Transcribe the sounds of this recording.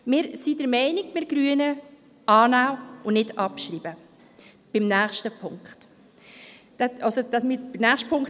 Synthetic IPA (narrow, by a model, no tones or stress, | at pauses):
mɪːɾsidəɾmɛɪnɪkmɪɾɡ̥ɾyənə | ʔɑːnawʊnnɪdɑpʃɾiːbə | b̥ɪmnæːχʃtəpʰʊŋkχt | d̥ɛʔɑlsod̥ɑsmɪbɪnæːχʃtpʰʊŋkχ